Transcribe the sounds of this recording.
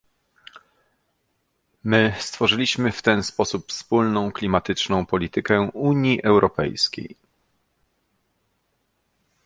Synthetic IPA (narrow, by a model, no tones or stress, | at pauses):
mɘst̪fɔʐɘlʲiɕmɘft̪ɛnspɔsupfspulnɔ̃w̃klʲimat̪ɘt͡ʂnɔ̃w̃pɔlʲit̪ɘkɛuɲjiʔɛwɾɔpɛ̰jskʲḛj